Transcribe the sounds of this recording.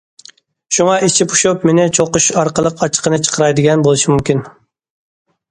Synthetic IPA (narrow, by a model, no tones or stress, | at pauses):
ʃuŋɑʔit͡ʃʰipʰu̥ʃupmenɪt͡ʃʰoqʊʃɑɾqəlˠəqʰɑt͡ʃʰə̥qənɨt͡ʃʰə̥qʰəɾɑjd̪ɪɡʲɛnbolˠɨʃimumkʲin